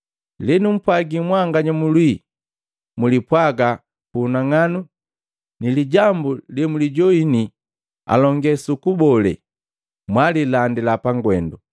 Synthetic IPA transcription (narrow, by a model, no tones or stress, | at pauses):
linum̩pwaɡimwaŋɡaɲamulwi | mulipwaɡa | kunaŋanu | niliɟambulɛmuliɟɔini | a̰lɔŋɡɛsukubɔlɛ̰ | mwalilandilapaŋɡwɛndu